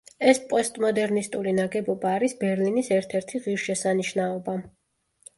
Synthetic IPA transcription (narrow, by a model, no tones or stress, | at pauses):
ɛspʼɔst̪ʼmɔd̪ɛɾnist̪ʼulinaɡɛbɔbaːɾisbɛɾlinisɛɾt̪ʰɛɾt̪ʰiʁiɾʃɛsaniʃnaɔba